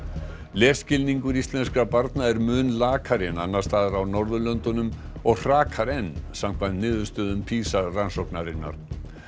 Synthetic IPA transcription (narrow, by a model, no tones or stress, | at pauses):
lɛːscɪlniŋkʏɾist̪lɛnskɾapaɾt̪naɛɾmʏːnlaːkʰaɾɪnanːḁst̪aːðaɾawnɔɾðʏlœnt̪ʏnʏm | ɔɣr̥aːkʰaɾɛnːsam̥kʰvant̪nɪːðʏ̥st̪œːðʏmpʰiːsaransɔwknaɾɪnːa̰ɾ̥